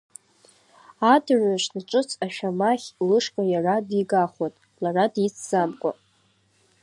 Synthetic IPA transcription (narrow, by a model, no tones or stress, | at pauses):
adraʃnat͡ʃʼɨt͡sʰaʃᶣamaχʲlɨʂkʷʼajaradiɡaχatʼ | laradit͡sʰz̥amkʷʼa̰